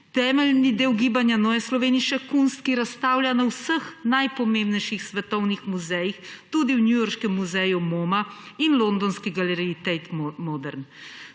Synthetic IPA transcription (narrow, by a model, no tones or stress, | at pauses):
t̪ɛːmɛlnid̪eːwɡiːbanjanoːjɛslɔʋeːniʃɛkunst̪̚kiɾast̪aːwljanawsəxnajpɔmẽːmbnɛjʃixsʋɛt̪ɔwnixmuzɛjixt̪ud̪iwnjujɔɾʃkɛmːuzɛjumoːmainlond̪ɔnskiɡalɛɾiːt̪ɛt̪mɔd̪ɛɾn